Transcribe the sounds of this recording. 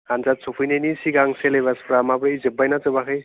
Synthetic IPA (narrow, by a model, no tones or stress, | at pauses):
kanzat͡sʰupʰɯjnenisiɡaŋselejbaspʰɾamabɾizebːajnat͡sɯbakʰaj